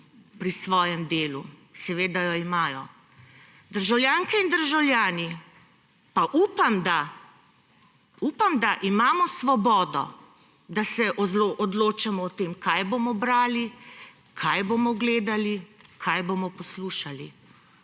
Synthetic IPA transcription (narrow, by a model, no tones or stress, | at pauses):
pɾisʋɔːjɛmd̪eːlusɛʋeːd̪ajɔimaːjɔ | d̪əɾʒawljaːŋkɛind̪əɾʒawlʲjaːni | paʔuːpamd̪a | uːpamd̪aʔimaːmɔsʋɔbɔːd̪ɔ̰ | d̪asɛʔɔloʔɔd̪loːt͡ʃamɔːt̪eːmkajboːmɔbɾaːli | kʰajboːmɔɡleːd̪alikʰajbomɔpɔsluːʃali